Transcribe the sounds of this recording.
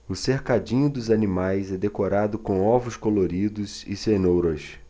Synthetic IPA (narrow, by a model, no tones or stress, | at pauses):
ʊseɾkad͡ʒĩɲʊd̪ʊzanimajzɛd̪ekoɾad̪ʊkõw̃ɔvʊskoloɾid̪ʊzɪsenowɾɐs